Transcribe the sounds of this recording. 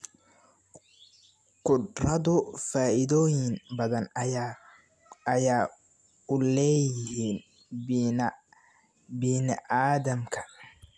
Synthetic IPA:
qʊdrɐðʊfaːʔɪðɔːjɪŋbɐðɐn | ɐjaː | ʊlɛːjɪhiːn | biːnɪʔaːðɐmkʰɐ̥

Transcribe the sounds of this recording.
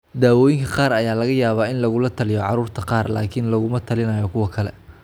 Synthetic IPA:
d̪aːwɔːjɪŋkʰɐqɑːɾɐjaːlɐɣɐjaːβaːɪnlɐɣʊlɐt̪ʰɐlɪjɔʕɑɾuːrt̪ʰɐqɑːrla̰ːkʰɪnlɐɣʊmɐt̪ʰɐlɪnɐːjɔkʰʊwɐkʰɐlɛ̰

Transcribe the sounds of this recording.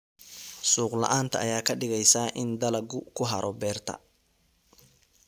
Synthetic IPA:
suːqlɐ̰ʔaːnt̪ʰɐːjaːkʰɐɖɪɣɛjsaːʔɪnd̪ɐlɐɡʊkʰʊɦɐ̰ɾʔɔbɛːrt̪ʰɐ̰

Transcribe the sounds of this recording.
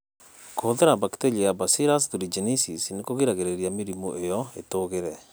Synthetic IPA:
koðeɾabakteʎijabasiɾas̬ðuɾid͡ʒenisisnekoɣiɾaɣeɾeɾjamiɾimoʔejɔetoɣeɾɛ

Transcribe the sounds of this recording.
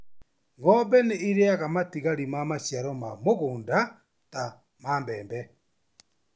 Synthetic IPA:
ŋɡɔbɛneiɾeaɣamatiɣaɾimamaʃjaɾɔmamoɣoːnda | ta | maːmbɛːmbɛ

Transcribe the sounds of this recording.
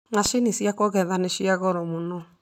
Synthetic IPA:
naʃinisjakɔɣɛðaneʃiaɣɔɾɔmonɔ

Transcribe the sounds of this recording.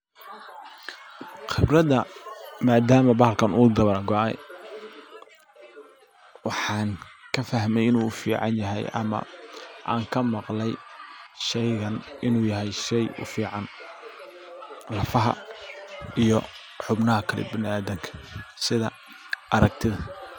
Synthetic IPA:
χɪbrɐðɐmaːd̪aːmɐbɐhlkʰɐnuːd̪ɐβɐɾɡɔɛ̰ | wɑħɑːnkʰɐfɐɦmɛjɪnuːfḭːʕɑ̰njɐɦɛ̰jʔɐ̰mɐ̰ʔa̰ːŋkʰɐmɑqlɛjʃɛjɣɐnɪnuːjɐɦɛjʃɛjʊ̰fiːʕɑn | lɐfɐɦɐ̰ | ʔijɔ | ħʊbnɐɦɐkʰɐlɛ̰bɪnɪaːðɐŋkʰɐ̥sɪðɐ | ʔɐɾɐk̚t̪ʰɪðɐ

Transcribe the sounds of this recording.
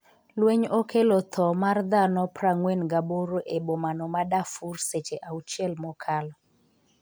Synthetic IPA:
lweɲokʰelɔt̪ʰɔmard̪anɔpraŋwenɡaboɾoʔebomanɔmadafurset͡ʃeʔaut͡ʃɛlmɔkʰalɔ

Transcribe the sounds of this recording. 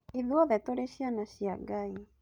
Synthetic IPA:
iðwɔðɛtoɾeɕianaɕiaɡai

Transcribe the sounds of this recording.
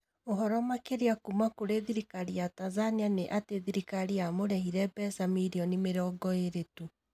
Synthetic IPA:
oɦɔɾɔmakeɾeakumakoɾeðiɾikaɾijatazanianeʔateðiɾikaɾiamoɾɛɦiɾɛbɛsamiɾiɔnimeɾɔːɡɔeɾetu

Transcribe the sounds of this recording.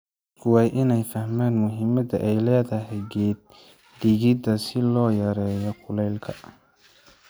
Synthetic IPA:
kʰʊwɑːjʔɪnɛjfɐhmaːnmʊɦɪmɐdɐʔɛjlɛːðɐɦɛjɡɛːd̪̚ | d̪ɪɣɪd̪ɐsɪlɔːjɐɾɛːjɔqʰʊlɛlkʰɐ

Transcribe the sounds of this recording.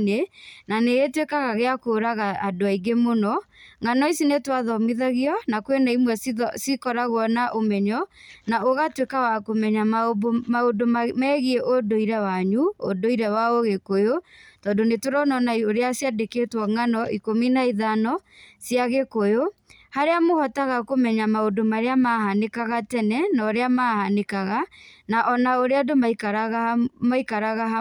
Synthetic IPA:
nenaneɣetwekaɣaɣeakoɾaɣaadoaiɡemonɔŋanɔisinetwaðɔmiðaɣiɔnakwenaimwɛssikɔɾaɣwɔnaʔomɛɲɔnaoɣatwekawakomɛɲamaodommɛːɣieʔodoiɾɛwaɲuo̰doiɾɛwaoɣekojotɔːndonetoɾɔnɔnaioɾeasjadeketwɔŋanɔʔikominaiðanɔsjaɣekojo | haɾeamohɔtaɣakomɛɲamaodomaɾeamahanekaɣatɛnɛnaɔɾeamahanekaɣanaʔɔnaoɾeadomaikɾɣmaikaɾaɣaɦa

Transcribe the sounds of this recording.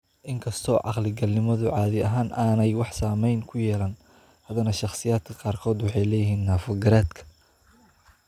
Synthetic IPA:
ʔɪŋkʰɐst̪ʰɔ̰ːʕɑ̰qlɪɡɐlnɪmɐðʊʕɑːðɪɐɦaːnʔaːnɛjwɑħsaːmɛjnkʰʊjɛːlɐn | hɐðɐnɐʃɑχsɪjaːd̪̚kʰɐ̥qɑːrkʰɔːd̪wɑħɑjlɛːjɪɦiːnːaːfɔɡɐɾaːd̪kʰɐ̥

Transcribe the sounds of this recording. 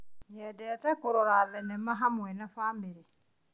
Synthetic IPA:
ɲɛdɛtɛkoɾɔɾalɛnɛmaɦamʊɛnafaːmiɾi

